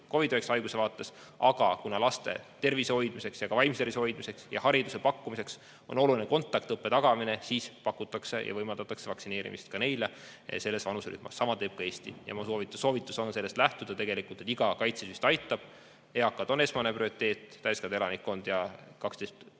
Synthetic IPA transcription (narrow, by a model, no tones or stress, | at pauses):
ko̞vid̪oeksɑjɡ̥use̞vɑːt̪ːˑe̞s | ʔɑɡ̥ɑkunɑlɑst̪e̞̰t̪e̞rviseo̞jd̪mise̞ksjɑɡ̥ɑvɑjmst̪erviseo̞jd̪mise̞ksjɑ̰hɑɾid̪usepɑkːumise̞ks | o̞̰no̞lulineko̞nt̪ːˑɑk̚t̪ɤpːe̞t̪ɑɡɑmine̞siːspɑkːˑut̪ːˑɑkse̞jɑ̰vɤjmɑld̪ɑt̪ːˑɑksevɑksine̞ːɾḭmḭst̪̚kɑne̞jlḛ | se̞lːesvɑnusely̰hmɑ̰sːɑmɑt̪e̞ːb̥̚kɑe̞ːst̪ḭjɑ̰musoːvit̪ːˑu̥sːo̞ːvit̪ːˑu̥so̞nse̞lːest̪læht̪ud̪ɑt̪e̞ɡ̥e̞likˑult̪et̪iɡ̥ɑkɑjt̪sesyst̪ɑjt̪ːˑɑb̥ | eɑkːˑɑd̪̥o̞nesmɑneprio̞ɾit̪ːˑe̞ːt̪ːæjskɑnd̪e̞lɑnikːo̞nd̪̥jɑkɑkst̪est̪